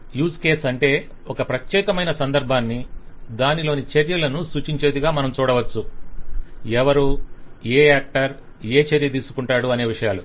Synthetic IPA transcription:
juːske̞ːsɐɳʈe̞ː | ɔkɐpɾɐt͡ʃ̪jɛːkɐmɐjnɐsɐnd̪ɐɾbʱaːnːid̪aːnilo̞ːnit͡ʃɐɾjɐlɐnusuːt͡ʃiɲt͡ʃe̞ːd̪iɡaːmɐnɐmt͡ʃuːɽɐʋɐt͡ʃːu | ɛʋɐɾueːaːk̚ʈɐɾ | e̞ːt͡ʃɐɾjɐt̪iːsu̥kuɳʈaːɽuɐne̞ːʋiʂɐjaːlu

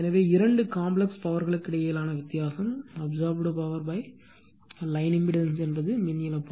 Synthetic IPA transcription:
ɛnɐʋeːɪɾɐɳɖɯkaːmblɛkspɐʋɐɾɣɐɭɯkːɪɽɐjɐjɪlaːnɐʋɪt̪ːɪjaːsɐmɐbzaːɾbɽɯpɐʋɐɾbɐɪ | lɐɪnɪmbɪɽɐnsɛnbɐðɯmɪnjɪlɐpː

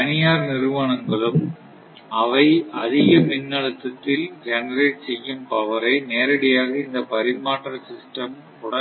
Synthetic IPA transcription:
ɐnɪjaːɾnɪɾɯʋɐnɐŋɡɐɭɯm | ɐʋɐɪɐðɪɣɐmɪnːɐɭɯt̪ːɐt̪ːɪld͡ʒɛnɐɾeːʈsɛjːɯmpɐʋɐɾɐɪneːɾɐɽɪjaːɣɐɪnd̪ɐpɐɾɪmaːʈːɐɾsɪsʈɐm | kʊɽɐ

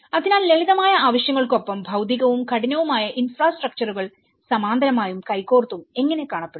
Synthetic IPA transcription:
ɐðinaːlːe̞liðɐmaːjɐaːʋɐɕjɐŋːɐɭko̞pːɐmbʱɐwd̪iɣɐʋumkɐɽinɐʋumaːjɐʔinfraːsʈrɐk̚t͡ɕɐruɣɐɭ | sɐmaːnd̪ʱɐnɐmaːjumkɐjkːoːrt̪ːume̞ŋːɐne̞kːaːɳɐpːeɽ

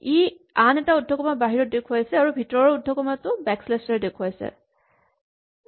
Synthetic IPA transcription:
i | anɛtaudʱɔkɔmabaɦiɹɔt̚dekʰuajsɛaɹubʱitɔɔɔudʱːɔkɔmatʊbɛkslestaɹɛdekʰuajsɛ̰

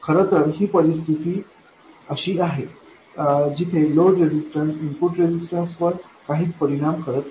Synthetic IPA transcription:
kʰəɾət̪əɾɦiːpəɾist̪ʰit̪iː | əɕiːaɦe | d͡ʑit̪ʰeloɖɾed͡ʑisʈənsimpuʈɾed͡ʑisʈənsʋəɾ | kaɦiːt͡spəɾiɽ̃amkʰəɾət̪

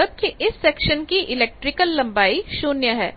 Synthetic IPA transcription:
ɐb̚kiʔɪsːɛːkʃənkiʔɪleːk̚ʈɾɪkəlːɐ̃mbaːiʃoːnjəɦɛ̰ː

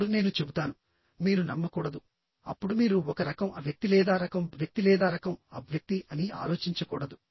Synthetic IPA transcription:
ɽune̞ːnut͡ʃe̞but̪aːnu | miːɾunɐmːɐkuːɽɐd̪u | ɐpːuɽumiːɾuɔkɐɾɐkɐmɐʋjɐk̚t̪ilɛːd̪aːɾɐkɐmʋjɐk̚t̪ilɛːd̪aːɾɐkɐmɐ̰bʱjɐk̚t̪iʔɐnia̰ːlo̞ːt͡ʃiɲt͡ʃɐkuːɽɐd̪u

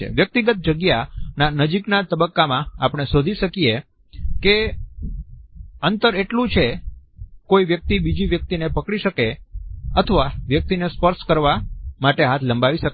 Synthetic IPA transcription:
ḛʋjək̚t̪iɡət̪̚d͡ʒəɡjananəd͡ʒiknat̪əbəkːamãapəɽ̃esod̪ʱiʃəkije | ke | ənt̪əɾeʈlũt͡ʃʰe | koiʋjək̚t̪ibid͡ʒiʋjək̚t̪inepəkɽiʃəkeət̪ʰəʋaʋjək̚t̪inespəɾskəɾʋamaʈeɦat̪ʰləmbʱaʋiʃək

